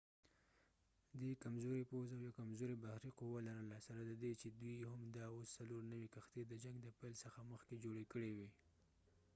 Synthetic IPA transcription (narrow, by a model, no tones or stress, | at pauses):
d̪ekamzoɾepozawjakamzoɾebahɾiquwalaɾəlasaɾad̪əd̪et͡ʃed̪wujɦamd̪ɑosːaloɾnawikaxt̪ed̪əd͡ʒaŋɡd̪əpajlsəxaməxked͡ʒoɽekəɽewi